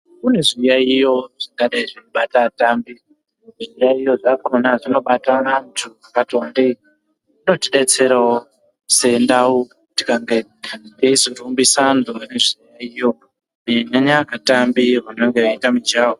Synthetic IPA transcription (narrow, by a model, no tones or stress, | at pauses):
kune̞ʐijaijo̞ʐ̥aŋkaɗaiʐinoɓatatambi | ʐijaijo̞ʐakonaʐino̞ɓataːntʰuakatiandei | inotiɗet͡se̞ɾao | se̞ːndau | ti̥kaŋɡediizorumbisandoneʐijaijo̞ | neneɲakatambiɦaneŋɡeaitamid͡ʒaːwo